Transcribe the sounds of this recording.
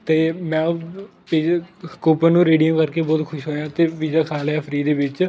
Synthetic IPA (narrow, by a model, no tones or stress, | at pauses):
t̪eːmɛ̃ː | piːkuːpənũːɾeːɖijəmkəɾkeːbɔːt̪kʰʊʃɦoːjãːt̪eːpiːd͡ʒaːkʰaːlaːpʰɾiːd̪eːʋɪt͡ʃ